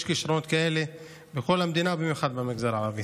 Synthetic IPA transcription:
ʃkiʃɾonot̪kaele | bekolhamd̪inabimjuxad̪̚bemiɡzaɾʕaɾavi

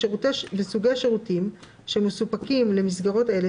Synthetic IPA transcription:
utebesuɡejʃeʁutim | ʃemːesupakimle̞misɡaʁo̞te̞le

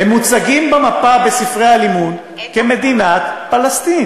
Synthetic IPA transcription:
hemːut͡saɡimbamapabesifʁejhalimun | keme̞d̪inat̪palast̪in

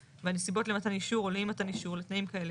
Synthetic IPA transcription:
veanesibo̞tlemat̪aniʃuʁoleimataniʃuʁlet̪naimkae̞le

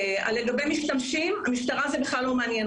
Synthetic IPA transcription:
a̰lːeɡabemiʃtamʃimamiʃt̪aʁazebeχlalːo̞meanjɛn

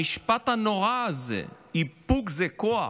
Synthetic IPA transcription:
iʃpat̪anoʁazḛ | ipukzekoa

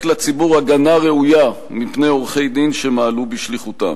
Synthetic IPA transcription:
klat͡sibuʁaɡanaʁeuja | mipnejoʁχe̞jd̪inʃemaːlubiʃliχut̪a̰

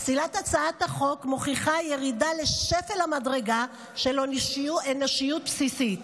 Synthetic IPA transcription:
silatat͡saat̪haχo̞kmoχiχaje̞ʁidale̞ʃefelhamadʁe̞ɡa | ʃe̞lonʃiueneʃijut̚psisit

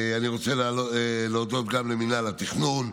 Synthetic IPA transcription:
aniʁo̞t͡seloleod̪o̞t̪ɡamleminalat̪iχnun

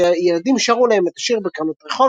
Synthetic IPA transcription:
jelad̪imʃaʁulaemet̪aʃiʁbekamot̪ʁeχo

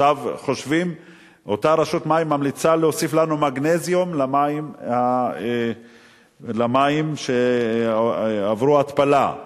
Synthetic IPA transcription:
avχo̞ʃvim | ʔo̞t̪aʁaʃut̪maimːamlit͡saleosiflanumaɡnezjomlamaimha | lamaimʃe | avʁuat̪pala

